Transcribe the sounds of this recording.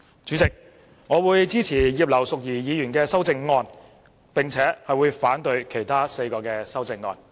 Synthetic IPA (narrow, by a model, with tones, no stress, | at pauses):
t͡ʃyː˨˥t͡sɪ˨k̚ | ŋɔː˨˧wuː˨˧jt͡siː˥t͡sʰiː˨˩jiː˨˧p̚lɐ˨˩wsʊ˨k̚jiː˨˩jiː˨˧jyː˨˩nkɛː˧sɐ˥wt͡sɪ˧ŋːɔː˧n | pɪ˨ŋt͡sʰɛː˨˥hɐ˨jwuː˨˧jfaː˨˥nt̪ɵ˧ɥkʰe˨˩jt̪ʰaː˥se˧jkɔː˧kɛː˧sɐ˥wt͡sɪ˧ŋːɔ̰ː˧n